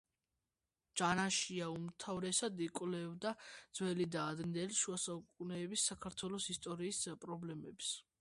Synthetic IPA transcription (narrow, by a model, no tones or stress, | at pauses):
d͡ʒanaʃiaumt̪ʰavɾɛsad̪ikʼwlɛvd̪ad̪z̥wɛlid̪aːd̪nɛlʃuasaukʼunɛːbisːakʰaɾt̪ʰwɛlˠɔsist̪ʼɔɾiːspʼɾɔblɛmɛps